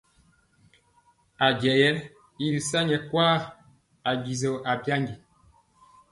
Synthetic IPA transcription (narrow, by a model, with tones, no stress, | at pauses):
a˨ɟɛ˨jɛ˦ | i˦ɾi˨sa˦ɲɛ˨kwaː˦ | a˨ɡi˨zo˨ʔa˨bja˦ŋɡi˨